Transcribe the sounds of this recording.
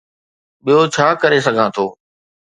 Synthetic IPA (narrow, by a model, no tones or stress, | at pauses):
ɓijot͡ɕʰaːkəɾesɐɡʱãːt̪ʰoː